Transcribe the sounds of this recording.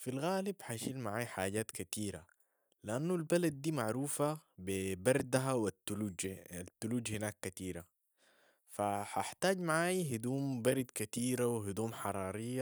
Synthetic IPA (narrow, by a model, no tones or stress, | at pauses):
filɣaːlibħaʃiːlmaʕaːjħaːɟaːt̪kat̪iːɾa̰ | lɪʔanːulbalad̪̚ːiːmaʕɾuːfabibɑɾˤd̪aɦawat̪ːuluːd͡ʒat̪ːuluːd͡ʒhinaːkːat̪iːɾa | faħaħt̪aːɟmaʕaːjɦid̪uːmbɑɾˤd̪kat̪iːɾawɪɦid̪uːmħɑɾˤɑːɾijːa